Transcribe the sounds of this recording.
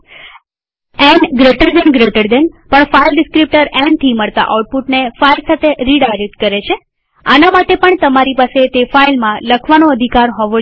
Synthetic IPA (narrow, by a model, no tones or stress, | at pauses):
ɛ̃ɳɡɾeʈəɾd̪enɡɾeʈəɾd̪enpəɳfailɖɪskɾip̚ʈəɾɛ̃ɳɖʈ̪ʰiməɭt̪a̰ʔa̰uʈ̚puʈnefailsat̪ʰeɾiɖajɾek̚ʈkəɾet͡ʃʰe | a̰namaʈepəɳt̪əmaɾipaset̪efailmãləkʰʋanoəd̪ʱikaɾɦɔʋo